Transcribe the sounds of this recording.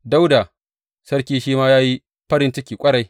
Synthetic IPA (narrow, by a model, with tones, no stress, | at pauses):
da˦wda˨ | sɐ˦ɽkʲiː˦ʃiː˦maː˦jaː˦ji˦ | ɸɐ˦ɾɪ˦nt͡ʃɪ˦kʲiː˨kʷʼɐ˦ɽa˨j